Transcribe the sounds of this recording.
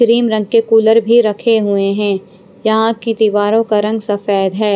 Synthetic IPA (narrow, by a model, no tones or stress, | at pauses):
kɾiːmɾɐ̃ŋɡ̚kekuːləɾbʱiɾɐkʰeɦueɦɛ̃ː | jɐɦãkɪ̃t̪iʋaːɾõkaɾɐ̃ŋɡsɐfɛːd̪ɦɛː